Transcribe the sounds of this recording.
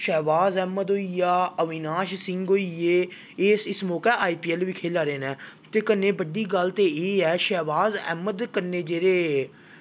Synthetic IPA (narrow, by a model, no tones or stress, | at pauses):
ʃɛːʋaːzɛːməd̪oːijaːəʋɪnaːʃsɪŋɡoːieː | eːsɪsmɔːkɛːʔaːiːpiːɛlʋiːkʰeːlaːɾeːnɛ̃ːt̪eːkənːeːbəɖiːɡəlt̪eːeːɛːʃɛːʋaːzɛ̰ːməd̪kəneːd͡ʒeːɾeː